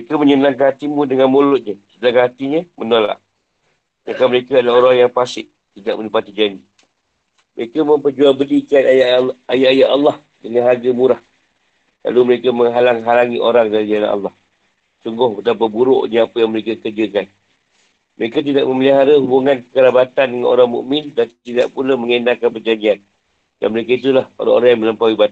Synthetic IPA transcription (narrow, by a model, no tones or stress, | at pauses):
əekəməɲənãŋk̬anat̪imudəŋanmolʊt̪̚ɲəsənaŋanɦat̪iɲəmənola̰ʔ | ɲakanməɾekədlaoɾaŋjaŋpasɪʔ̚ | t̪idaʔ̚mə̃ndəpat̪id͡ʒani | məɾekəmə̃mpərd͡ʒuaŋbəlikat̪ajaajaʔajaʔalːɑh | dəŋanɦaɡəmuɾah | la̰luməɾekəməŋɦalaŋɦalaŋiʔoɾaŋdaɾid͡ʒana̰ʔa̰lːɑh | suŋɡʊhbət̪apabuɾʊʔɲəapəjaŋməɾekakərd͡ʒəkan | məɾekat̪idaʔ̚mə̃məliɦaɾəɦubuŋanpəkəɾabat̪andəŋanʔo̰ɾaŋmṵʔmɪndant̪idaʔpulaməŋənakanpərd͡ʒaɲd͡ʒian | da̰nməɾekait̪̬ulaho̰ɾa̰ŋo̰ɾaŋjaŋmə̃ləmpawiba